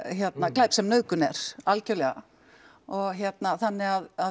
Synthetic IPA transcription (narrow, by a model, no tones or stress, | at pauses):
jɛt̪naklaːjpsɛmnœːkʏnɛɾ̥alcœlɛɣa̰ | ɔɣçjɛt̪naθanːɪɣaða